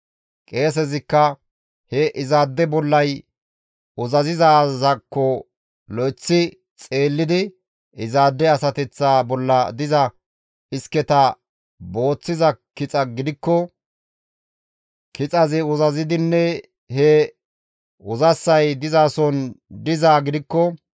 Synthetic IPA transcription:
kʼe̞ːs̬ɛzɪkːɐ | hɛʔɪzaːd̪ːɛbɔlːɐj | ʊzɐzɪzaːzɐkːɔ | lɔjt͡sːɪ | t͡sʼe̞ːlːɪd̪ɪ | ɪzaːd̪ːɛɐsɐt̪ɛt͡sːaːbɔlːɐd̪ɪzɐ | ɪskɛt̪ɐ | bo̞ːt͡sːɪzɐkɪt͡sʼɐɡɪd̪ɪkːɔ | kɪt͡sʼɐzɪʊzɐzɪd̪ɪnːɛ | hɛ | ʊzɐsːɐjd̪ɪzaːsɔnd̪ɪzaːɡɪd̪ɪkːɔ

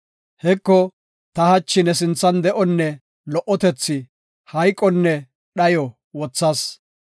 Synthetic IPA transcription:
hɛkːɔ | t̪ɐhɐt͡ʃːɪnɛs̬ɪnt͡sːɐnd̪ɛʔɔnːɛ | lɔʔːɔt̪ɛt͡sːɪ | hɐjkʼːɔnːɛ | ɗɐjɔ | wɔt͡sːɐs

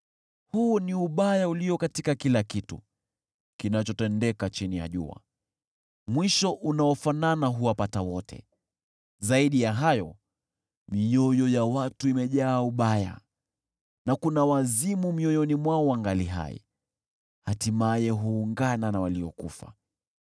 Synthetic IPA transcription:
huniuɓajauliɔkatikakilakitṵ | kinat͡ʃɔtɛndɛkat͡ʃinija̰ʄṵa̰ | mwiʃɔʔunaɔfananaɦuwapatawɔtʰɛ̰ | zaiɗijaɦajɔ | mijɔjɔjawatuimɛʄaːuɓaja̰ | nakunawazimumiɔjɔnimwaɔwaŋɡaliɦa̰ɛ̰ | hatimajɛɦuːŋɡananawaliɔ̰kṵfa̰

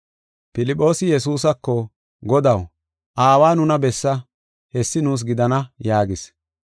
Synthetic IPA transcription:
pɪlɪpʼːo̞ːsɪjɛs̬uːs̬ɐkːɔ | ɡɔd̪ɐw | ʔaːwaːnʊnɐbɛsːɐ | hɛsːɪnuːs̬ɡɪd̪ɐnɐjaːɡɪs

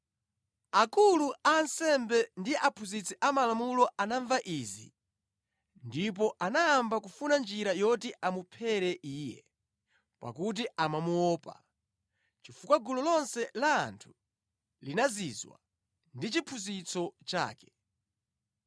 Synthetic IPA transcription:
akuluaːnsɛmbɛndiʔapʰuzit͡sʰɛʔamalamulɔʔanaɱvaʔiːzḭ | ndip̬ɔʔanaːmbakufunand͡ʒiɾajɔtiʔamupʰɛɾɛʔiːjɛ̰ | pa̰kut̬iʔamamuɔːpa̰ | t͡ʃifukwaɡulɔlɔnsɛla̰ːntʰu̥ | linazizwa̰ | ndit͡ʃipʰuzit͡sʰɔt͡ʃa̰ːkɛ̥

